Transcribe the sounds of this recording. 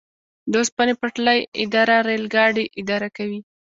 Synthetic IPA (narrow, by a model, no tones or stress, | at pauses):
d̪ospanepaʈlajɪ̰d̪ɑɾaɾelɡɑɖiʔɪd̪ɑɾakawi